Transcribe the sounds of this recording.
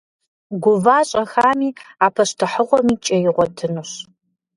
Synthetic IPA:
ɡʷʊvaːɕʼɐxaːmiːaːpʰɐɕtʰɨħəʁʷɔmiːt͡ʃʼɐjɪʁʷɔtʰɨnuɕ

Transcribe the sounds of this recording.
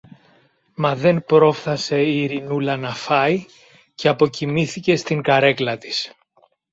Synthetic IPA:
mɐðe̞npɾo̞fθɐse̞iɾinulɐnɐfɐi | ceɐpo̞cimiθice̞st̪iŋɡɐɾe̞klɐt̪i̥s

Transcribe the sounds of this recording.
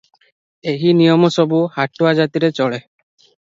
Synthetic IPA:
eɦinijɔmɔsɔbuhaʈuad͡ʒat̪iɾet͡ʃɔɭe

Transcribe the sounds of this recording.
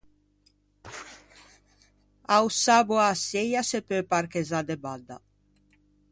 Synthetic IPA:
awsabuasejasepøpaɾkezad̪ebad̪a̰

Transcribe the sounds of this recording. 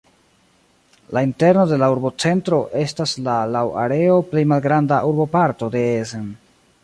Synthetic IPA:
lainte̞ɾno̞de̞lauɾbo̞t͡se̞ntɾo̞ʔe̞staslalawa̰ɾe̞o̞ple̞jmalɡɾandaʔuɾbo̞paɾto̞de̞ezen

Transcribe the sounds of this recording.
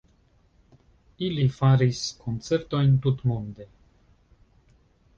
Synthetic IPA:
ilifaɾiskʰont̪seɾt̪oint̪ut̪mund̪e

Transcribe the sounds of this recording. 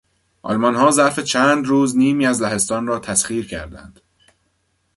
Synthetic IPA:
ʔɒ̰lmɒnhɒːzæɾfet͡ʃʰæːnd̪ɾuːzniːmiːæzlæɦe̞st̪ɒːnrɒːt̪ʰæsχiːɾcʰæ̰ɾd̪æ̰nd̪̥

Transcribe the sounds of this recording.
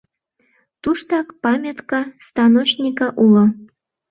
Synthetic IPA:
t̪uʃt̪ɑkpɑmʲet̪kɑst̪ɑnot͡ɕnʲikɑʔulo

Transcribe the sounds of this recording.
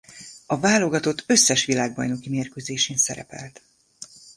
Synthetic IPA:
ɒvaːlo̞ɡɒt̪o̞t̪ːø̞sːɛʃʋilaːɡ̚bɒ̰jno̞kimeːrkøzeːʃeːnsɛ̰ɾɛ̰pɛ̰lt̪

